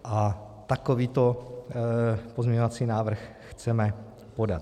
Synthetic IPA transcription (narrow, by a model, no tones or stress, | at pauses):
ʔa | t̪akoviːt̪o | pozmɲɛɲovat͡siːnaːvr̩x | xt͡sɛmɛ | po̞dat̪